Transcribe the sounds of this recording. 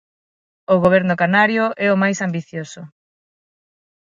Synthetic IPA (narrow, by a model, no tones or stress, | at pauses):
oɣoβ̞ɛɾnʊkanaɾjoʔɛomajsambiθjosʊ